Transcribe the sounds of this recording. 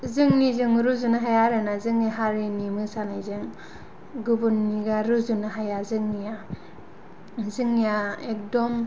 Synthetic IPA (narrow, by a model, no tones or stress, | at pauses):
zɯŋnizɯŋɾuzunaɦajaɾɯnazɯŋjaɦaɾinimɯsanajzɯŋ | ɡubunːiɡaɾuzunaɦajazɯŋnija | zɯŋjaek̚dɔm